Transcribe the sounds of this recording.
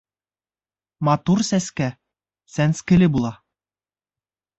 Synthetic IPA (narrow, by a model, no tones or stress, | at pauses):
mɑt̪ursæskæ | sænskɘ̆lɘbulˠɑ